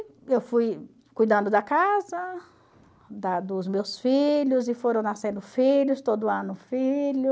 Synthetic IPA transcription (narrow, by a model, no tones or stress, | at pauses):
ewfuj | kujd̪ɐ̃nd̪ʊd̪ɐkazɐ | d̪ɐd̪ʊzmewsfiʎʊzɪfoɾɐ̃w̃nasẽnd̪ʊfiʎʊst̪od̪ʊɐ̃nʊfilʊ